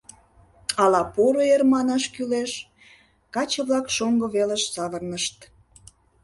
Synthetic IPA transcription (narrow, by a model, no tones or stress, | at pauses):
ɑlɑpoɾoermɑnɑʃkyleʃ | kɑt͡ɕə̆βlɑkʃoŋɡoβeleʃsɑβərnəʃt̪